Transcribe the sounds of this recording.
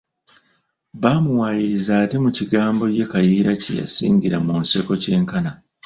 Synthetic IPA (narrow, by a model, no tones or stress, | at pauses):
βamuwajiɾizaːte̞muciɡaːmbo̞je̞kajiːɾacḛja̰sḭːŋɟiɾamunse̞ko̞ce̞ːŋkana